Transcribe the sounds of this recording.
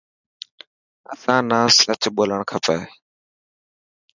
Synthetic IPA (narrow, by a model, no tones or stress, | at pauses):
ə̰sãːnãːsət͡ʃɓoːləɳkʰəpəː